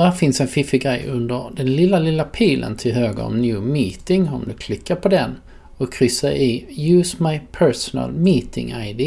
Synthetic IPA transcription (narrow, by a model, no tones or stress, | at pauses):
hæːfɪnsɛnfɪfɪɡɾɛjɵnd̪əɾd̪ɛnlɪlːalɪlːapʰiːlʔə̰nt̪ʰɪlɦøːɡə̰ɔ̰mnjʉːmiːt̪ɪŋɔ̰md̪ɵkʰlɪkːaɾpʰɔd̪ɛn | ɔkʰːɾʏsːaʔɪjʉːsmajpʰɛɾsɔnə̰lmiːt̪ɪ̰ŋaɪd̪ɪ